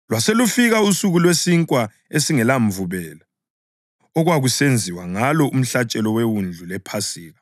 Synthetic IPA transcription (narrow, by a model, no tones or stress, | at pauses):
lwaselufiɣausuɣulwesiŋkʼwa | esiŋɛlaɱvuβɛːla | ɔɣwaɣusend͡zʱiwaŋalɔum̩ɬat͡ʃʼɛlɔwewund͡ɮʱulɛpʰasiːɣa